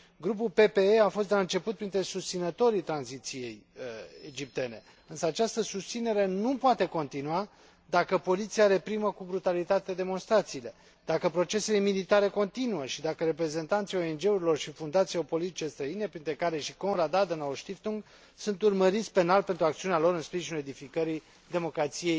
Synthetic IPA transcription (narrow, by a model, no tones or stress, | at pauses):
ɡɾup̬ulpe̞pe̞eafost̪d̪e̞laɨnt͡ʃe̞put̪̚pɾint̪ɾe̞sust̪sinət̪o̞ɾit̪ɾanzit̪sije̞jḛd͡ʒip̚t̪e̞ne̞ | ɨnsəat͡ʃast̪əsust̪sine̞ɾe̞nupoat̪e̞ko̞nt̪inua | d̪akəpo̞lit̪siaɾe̞pɾiməkubɾut̪alit̪at̪ed̪e̞mo̞nst̪ɾat̪siːle̞ | d̪̥akəpɾo̞t͡ʃe̞se̞lemilit̪aɾe̞ko̞nt̪inuəʃid̪akəɾe̞pɾe̞ze̞nt̪ant̪sijo̞e̞nd͡ʒe̞uɾilo̞rʃifund̪at̪sieopo̞lit̪it͡ʃe̞st̪ɾəine̞pɾint̪ɾe̞kaɾe̞ʃiko̞nɾad̪ad̪ənaoʃt̪ift̪uŋɡ | sunt̪urməɾit̪sʲpe̞nalpe̞nt̪ɾuakt̪siunealo̞ɾɨnspɾiʒinule̞d̪ifikəɾij | d̪e̞mo̞kɾat̪sije̞j